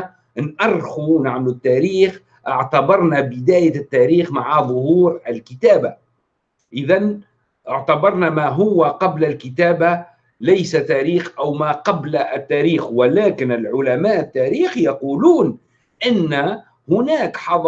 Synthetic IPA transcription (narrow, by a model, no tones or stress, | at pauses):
nʔɑrˤxunaʕmlut̪ːæːɾiːx | ʔɪʕt̪abɑɾˤnabɪd̪æːjat̪ːæːɾiːxmaʕaðˤʊhuːɾɪlkɪt̪aːba | ʔɪðan | ʔɪʕt̪abɑɾˤnamæːɦʊwːaqɑblalkɪt̪æːba | lajsat̪æːɾiːxʔæwmaqɑblt̪ːæːɾiːxwɪlæːkɪnɪlʕʊlamæːʔɪt̪ːæːɾiːxjɑquːluːn | ʔɪnːæ | hʊnæːkħɑðˤ